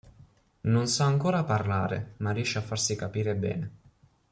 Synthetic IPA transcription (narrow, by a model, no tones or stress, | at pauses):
nonsaaŋkoːɾaparlaːɾḛmarːiɛʃːeafːarsikapiːɾebɛ̰ːne